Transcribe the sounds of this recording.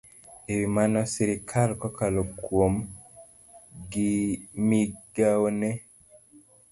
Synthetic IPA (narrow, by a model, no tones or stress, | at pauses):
ewimanasiɾikʰalkɔkalokwom | ɡimiɡaonɛ